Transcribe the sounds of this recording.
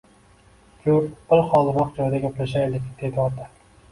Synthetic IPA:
kʲʰɵɾbʊlˠχɒlˠɾɒqd͡ʒɒjd̪aɡʲaplaʃajlɪkʲd̪̥e̞d̪ɪɒt̪ʰa

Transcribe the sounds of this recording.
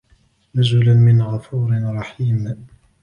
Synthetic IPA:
nʊzʊlanmɪnɣɑfuːɾɪɾˤɑħiːm

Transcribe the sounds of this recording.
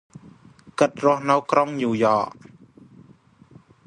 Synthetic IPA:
kɨt̪̚rʊ̆əhnɨwkroŋjuːjɑːʔ

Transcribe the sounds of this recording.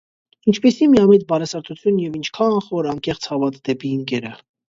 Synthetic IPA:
int͡ʃʰpɛsimiɑmɛt̪bɑɾɛsɑɾt̪ʰut͡sʰjunjɛvint͡ʃʰkʰɑχɔɾɑŋkɛχt͡sʰhɑvɑt̪d̪̥ɛpiŋkɛɾə

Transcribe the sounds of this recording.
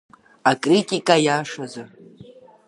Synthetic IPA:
akʼritʼikʼajaʂaza

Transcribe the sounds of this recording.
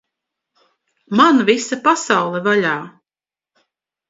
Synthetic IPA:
manvisapasawlˠɛvaʎʲaː

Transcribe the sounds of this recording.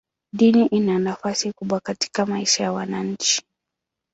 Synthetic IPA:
ɗiniʔinanafasikuɓwakati̥kamaiʃajawanaɲ̩t͡ʃi̥

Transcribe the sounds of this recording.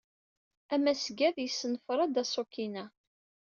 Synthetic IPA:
æmːæsɡæðjəsːnəfɾˤɑd̪æsˤokinæ

